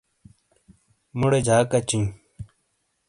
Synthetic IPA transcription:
muɽed͡ʑʱaːkɐt͡ɕiŋ

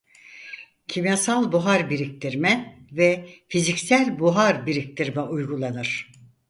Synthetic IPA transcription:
cʰimijasalˠbuɦaɾbiɾic̚t̪ʰiɾmɛvɛfizicsælʲbuɦaɾbiɾic̚t̪ʰiɾmɛʔujɡulˠanɯɾ̝̥

